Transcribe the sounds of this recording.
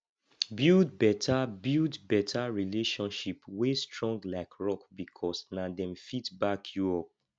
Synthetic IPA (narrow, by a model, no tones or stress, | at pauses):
bildbɛtʰabildbɛtʰaɹileʃɔ̃nʃipwestɹɔ̃ŋɡlaɪkɹɔkbikʰɔsnadɛ̃mfitbakʰjuɔp̚